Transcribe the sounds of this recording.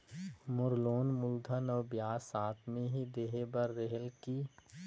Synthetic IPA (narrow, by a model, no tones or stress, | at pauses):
mʊɾloːnmʊld̪ʱənɔːɾbjaːsaːt̪meɦid̪eːɦebəɾːeɦəlkiː